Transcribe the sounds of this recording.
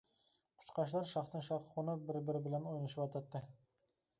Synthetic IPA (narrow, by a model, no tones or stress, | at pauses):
qʰʊ̥t͡ʃqɑʃ̬lˠɑɾʃɑχt̪ɨŋʃɑχʁʊnɑbɪɾbɪɾɪbɪlɛnojnɯʃɨpɑt̪ʰɑt̪ːɨ